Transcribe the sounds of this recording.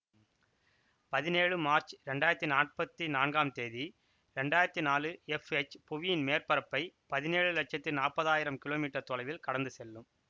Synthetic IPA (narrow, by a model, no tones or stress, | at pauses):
pɐðɪneːɻɯmaːɾt͡ʃɾɛɳɖaːjɪɾɐt̪ːinaːrpɐt̪ːinaːnɡaːmt̪eːði | ɾɛɳɖaːjɪɾɐt̪ːinaːlɯɛfɛt͡ʃːpʊʋɪjɪnmeːrpɐɾɐpːɐɪpɐðɪneːɻɯlɐʈ̚t͡ʃɐt̪ːɪnaːrpɐðaːjɪɾɐmkɪloːmiːʈːɐɾt̪ɔlɐɪʋɪlkɐɽɐnd̪ɯsɛlːɯm